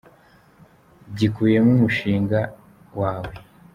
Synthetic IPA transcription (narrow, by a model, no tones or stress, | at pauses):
ɟikuːje̞mumuʃiːŋɡa | waːwe